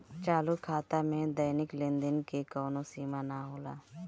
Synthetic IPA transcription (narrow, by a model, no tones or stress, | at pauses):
t͡ʃaːlukʰːaːt̪amẽd̪əjnɪklɪ̃nd̪ɪnkekɔːnõsiːmanaɦoːla̰ː